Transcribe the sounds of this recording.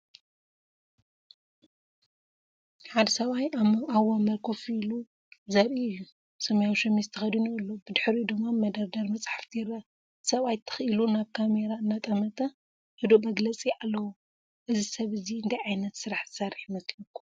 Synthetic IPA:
ħad̪ɐsɐβajaβɐmɐlkʰofilu | zɐɾʔiɨjːu | sɐmɐjawʃɐmist̪ʰɨxɐd̪inuɨlːobɨd̪ɨħɾud̪ɨmːamɐd̪ɐɾd̪ɐɾmɐt͡sʼaħaft̪ʰijɪɾɐ | sɐβajt̪ʰɨ̥xʔilunaβkʰame̞ɾaɨnːat̪ʼɐmɐt̪ʰɐ | hɨd̪omɐɡlɐt͡sʼialːɐwu | ʔɨzisɐβɨziɨnd̪ʰajʕajnɐt̪sɨɾaħzɨsaɾħmɐslɐkʰːu̥

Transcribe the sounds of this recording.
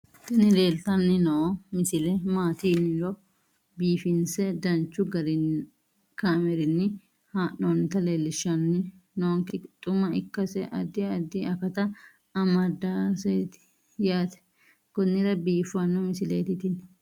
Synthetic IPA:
t̪ɐnɪle̞ːlt̪ɐnːɪnɐɔmɪsɪlɛmaːt̪iːnːɪlɔ | biːfɪnsɛd̪ɐnt͡ʃːʊɡɐɾɪ | kaːmɛɾɪnːɪ | haːʔonːɪt̪ɐleːlːɪʃːɐnːɪnɐŋkɪt̪ʼʊmɐɪkːɐsɛʔɐd̪ːɪɐd̪ːɪɐkɐt̪ɐ | ɐmɐd̪asɛjt̪ɪ̥ | jaːt̪ɛ̥ | kʊnːɪɾɐbiːfɐnːɔmɪsɪlḛːt̪ɪt̪ɪn

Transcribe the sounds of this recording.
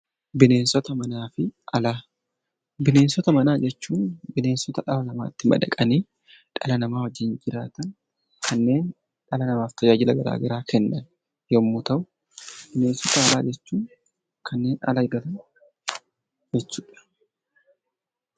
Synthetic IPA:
bɪne̞ːnsɔt̪ɐmɐnaːfɪɐlaː | bɪne̞ːnsɔt̪ɐmɐnaːd͡ʒɛt͡ʃːuːnbɪne̞ːnsɔt̪ɐᶑɐlɐnɐma̰ːt̪ːɪmɐ̰dɐ̰kʼɐneː | ᶑɐlɐnɐmaːwɐd͡ʒɪnd͡ʒɪɾaːt̪ɐn | kʰɐnːe̞ːn | ᶑɐlɐnɐmaːft̪ʰɐd͡ʒaːd͡ʒɪlɐɡɐɾa̰ːɡɐɾaːkʰɛnːɐn | jɔmːʊt̪ɐʔʊ | b̥ɪne̞ːnsɔt̪ɐːlaːd͡ʒɛt͡ʃːuːn | kʰɐnːe̞ːnɐ̰lɐɪɡɐlɐn | d͡ʒɛt͡ʃːuːᶑɐ̥

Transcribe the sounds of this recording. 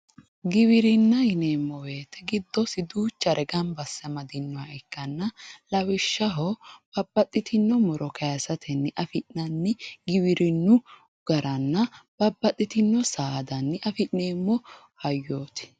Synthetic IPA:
ɡɪwɪɾɪnːɐhɪneːmːɔwe̞ːt̪ːɛɡɪd̪ːɔsɪd̪uːt͡ʃːɐɾʔɛɡɐnbɐsːɐmɐd̪ɪnːʊwaɛkːɐnːɐlɐwɪʃːɐɦɔb̥ɐbːɐt̪ʼːɪt̪ʰɪnːɔmɔɾʔɔkʰɐjɐsɐt̪ʰɛnːɪʔɐfɪʔnɐnːɪɡɪwɪɾʔɪnːʊ | ɡ̥ɐɾʔɐnːɐb̥ɐbːɐt̪ʼːɪt̪ɪnːɔsaːd̪ɐnːɪʔɐfɪʔneːmːɔ | hɐjːoːt̪ɪ̥

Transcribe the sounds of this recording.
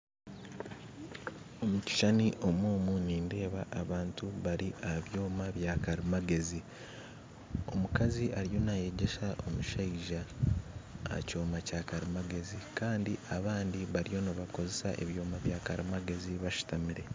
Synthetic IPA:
o̞muci̥ʃaniʔo̞moːmuniːnde̞ːβaʔːβaːntuβaɾiʔaβjo̞ːmaβjaːkaɾimaɡe̞zi | o̞̰mukaziʔaɾijo̞naje̞ɟe̞ʃaʔo̞muʃaiʒa̰ː | co̞ːmacaːkaɾimaɡe̞zikaːndiʔaβaːndiβaɾijo̞noβako̞ze̞sa̰ʔe̞̰βjo̞ːmaβjaːkaɾimaɡe̞ziβaʃu̥tamiɾe̞

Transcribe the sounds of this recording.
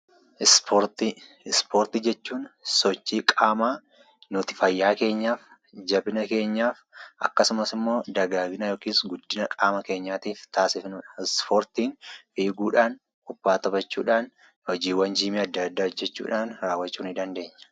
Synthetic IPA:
ɪspoɾt̪ɪ | ɪspoːɾt̪ɪd͡ʒɛt͡ʃːuːnsɔt͡ʃːiːkʼaːmaː | nʊt̪ɪ̥fɐjːaːke̞ːɲːaːf | d͡ʒɐbɪnɐke̞ːɲːaːfʔɐkːɐsʊmɐsɪmːo̞ːd̪ɐɡaːɡɪnɐjoːkiːsɡʊd̪ːɪnɐkʼaːmɐke̞ːɲːaːt̪iːft̪aːsɪfnʊːᶑɐ̥ɪspoːɾt̪iːnfiːɡuːᶑaːn | ʊbːaːt̪ɐbɐt͡ʃːṵːᶑaːn | hɔd͡ʒiːwɐnd͡ʒiːmiːɐd̪ːɐd̪ːaːd͡ʒɛt͡ʃːṵːᶑaːnɾaːwːɐt͡ʃːuːnɪd̪ɐnd̪e̞ːɲːɐ̥

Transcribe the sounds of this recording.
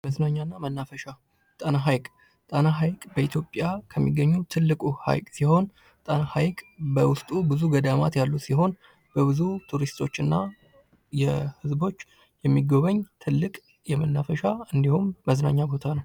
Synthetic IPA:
məznaɲːanːamənːafəʃa | t̪ʼənaɦajkʼ | t̪ʼənaɦajkʼbəit̪ʰjo̞pʼjakʰəmːiɡːəɲːut̪ʰɨlːɨkʼuha̰jkʼsiho̞n | t̪ʼənahajkʼbəwʊst̪ʼubɨzuɡəd̪amat̪jalːusiɦo̞n | b̥əβɨzut̪ʰuɾist̪ʰo̞t͡ʃːɨnːa | jɛhɨzbo̞t͡ʃː | jɛmːiɡoβəɲt̪ʰɨlːɨkʼ | jɛmənːafəʃaɨnd̪ihumːəzna̰ɲːabo̞t̪ʰanəw

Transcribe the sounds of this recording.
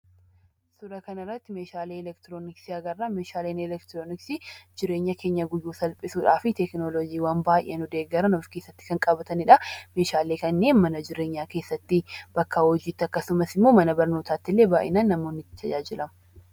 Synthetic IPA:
sʊɾɐkɐnɪrːɐt̪ːɪmeːʃaːleːɛlɛkt̪ɪɾoːnɪksiɐɡɐrːaːmeːʃaːleːnɛlɛkt̪ɾoːnɪksid͡ʒɪɾe̞ːɲːɐke̞ːɲːɐɡʊjːuːsɐlpʼɪsuːᶑaːfɪt̪ɛknolod͡ʒiːwaːmbaːjʔenʊd̪e̞ːɡːɐɾɐnɔfkeːsːɐt̪ːɪ̥kɐŋkʼɐbɐt̪ɐnɪᶑɐme̞ːʃaːle̞ːkɐnːe̞ːnmɐnɐd͡ʒɪɾe̞ːɲːaːkeːsːɐt̪ːɪb̥ɐkːawɔd͡ʒiːt̪ːɪɐkːɐsʊmɐsɪmːo̞ːmɐnɐbɐɾno̞ːt̪aːt̪ːɪlːe̞ːbaːʔɪ̰naːnːɐmoːnːɪt̪ːɪ̥t̪ʰɐd͡ʒaːd͡ʒɪlɐmɐ

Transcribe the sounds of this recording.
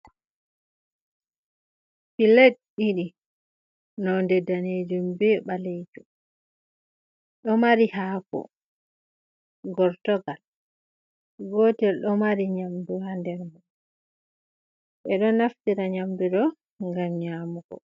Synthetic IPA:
piletɗiɗi | nɔndɛdaned͡ʒumbɛɓalejd͡ʒu | ɗɔmaɾihaːkɔ̰ | ɡɔɾtɔɡal | ɡoːtɛɗɔmaɾiɲamduhandɛɾma | ɓɛɗɔnaftiɾaɲamdudɔ | ŋɡamɲaːmuɡɔ̰

